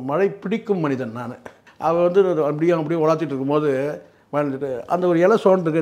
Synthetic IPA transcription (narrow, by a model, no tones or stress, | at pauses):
mɐɻɐɪpɪɽɪkːɯmːɐnɪðɐnnaːnɯ | ʔɐʋɐ̃ʋɐnd̪ɯɐp̬ːɐɽɪjʊ̃ɐp̬ːɐɪjʊ̃ɔɽaːɾt̪ːɪʈːɾɯkːɯmpoːðɯ | ʋɐɐnt͡ʃːɯʈːɯʔɐ̰nd̪ɐɔɾɯɛlɐsoːɳʈɾɯkːɯ